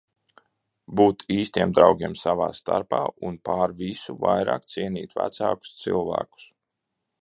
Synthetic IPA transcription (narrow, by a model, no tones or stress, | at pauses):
buːt̪iːst̪iɛmd̪ɾawɡʲiɛmsavaːst̪aɾpaːunpaːɾvisuvajɾa̰ːkt̪siɛnʲiːt̪væ̰t̪saːku̥st̪sḭlˠvæ̰ːku̥s